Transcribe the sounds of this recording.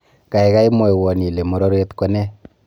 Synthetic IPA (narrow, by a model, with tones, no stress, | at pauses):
ka˨ɛka˦i˦mɔ˨jwɔ˨ni˨le˨mo˨ɾo˦ɾe˦tkɔ˦nɛ˦